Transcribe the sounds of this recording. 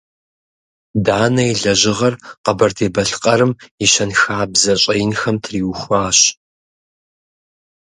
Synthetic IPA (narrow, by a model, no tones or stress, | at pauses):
daːnɐiɮɐʑɪʁɐrqɐbɐrtʰeːbɐɬqʼɐɾɨmiɕɐnxaːbzɐɕʼɐjnxɐmtʰriːwxʷaːɕ